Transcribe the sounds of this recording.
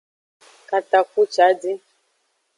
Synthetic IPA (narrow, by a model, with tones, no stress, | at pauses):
ka˨t̪a˨ku˦t͡ʃa˨˦di˦